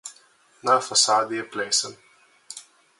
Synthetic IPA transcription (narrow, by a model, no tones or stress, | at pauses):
naːfasaːd̪iɛpleːsən